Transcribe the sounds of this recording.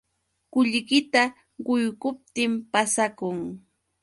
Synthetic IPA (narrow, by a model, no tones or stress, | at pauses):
kʊʎkɪt̪a | ɢʊjɢʊp̚t̪ɪmpasakʊŋ